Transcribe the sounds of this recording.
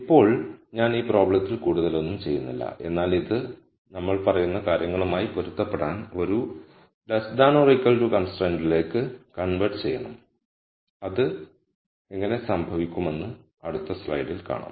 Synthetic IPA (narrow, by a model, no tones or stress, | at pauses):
ipːo̞ːɭɲaːniːpro̞ːbɭɐt̪ːilkuːɽuðɐlo̞nːumt͡ɕe̞jːunːḭlːɐ̰ʔe̞̰nːaːliðɨ | nɐmːɐɭpɐrɐjunːɐkaːɾjɐŋːɐɭumaːjipoɾut̪ːɐpːeɽaːno̞ɾu | lɐsd̪aːnorikːɐlʈukɐnsʈreːɳɖile̞ːkːɨkɐɳʋɐʈɨt͡ɕe̞jːɐɳɐm | ɐðɨ | eŋːɐne̞sɐmbʱɐʋikʲːume̞nːɨ | ɐɽut̪ːɐslɐ̰jɖilka̰ːɳɐ̰m